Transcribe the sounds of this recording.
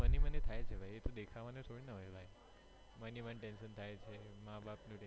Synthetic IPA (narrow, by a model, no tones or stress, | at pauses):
ənimənet̪ʰajt͡ʃʰebʱajet̪od̪ekʰaʋanet̪ʰoɽinəɦɔjbʱaj | mənimənʈenʃənt̪ʰajt͡ʃʰemãbapnũʈe